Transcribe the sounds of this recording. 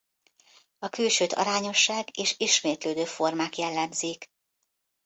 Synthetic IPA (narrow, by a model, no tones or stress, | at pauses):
ɒkylʃøːt̪ɒ̰ɾaːɲo̞ʃːaːɡeːʃiʃmeːt̪løːd̪øːfo̞rmaːkjɛlːɛmziːk